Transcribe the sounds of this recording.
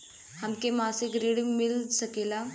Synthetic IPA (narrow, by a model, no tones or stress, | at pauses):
həmkemãseɡɾeɽmɪlsəkela